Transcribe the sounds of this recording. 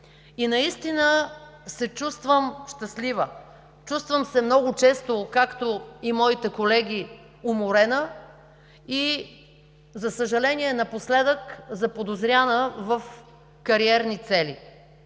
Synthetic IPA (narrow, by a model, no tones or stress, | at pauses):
inɐist̪inəsɛt͡ʃust̪vəmʃt̪ɐslivə | t͡ʃust̪vəmsɛmnɔɡʊt͡ʃɛst̪okakt̪oimɔit̪ɛkolɛɡʲi | ʊmoɾɛnə | i | zɐsəʒɐlɛniɛnɐposlɛd̪əkzɐpod̪ozɾʲjanəvəf | kɐɾiɛɾnit̪sɛli